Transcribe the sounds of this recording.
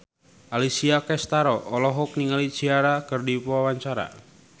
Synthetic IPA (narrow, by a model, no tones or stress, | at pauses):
alisiakɛst̪aɾɔːlɔɦɔk̚niŋalit͡ʃiaɾakɨrdipawaɲt͡ʃaɾa̰